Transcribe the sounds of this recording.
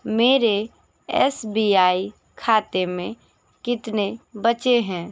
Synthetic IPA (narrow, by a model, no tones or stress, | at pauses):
meːɾe | ɛːsbiːaːi | kʰaːt̪emẽ | kɪt̪nebət͡ʃeɦɛ̃ː